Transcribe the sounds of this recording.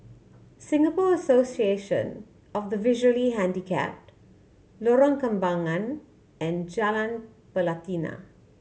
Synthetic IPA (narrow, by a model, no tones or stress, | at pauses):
sɪ̃ŋɡəpɔəsosieʃə̰̃n | ɔfd̪əvɪʒəliɦæ̃ndikʰɛ̰p̚ | lɔɾɔ̃ŋkə̃mbãŋãn | ɛ̃nd͡ʒalãn | pəlat̪ina̰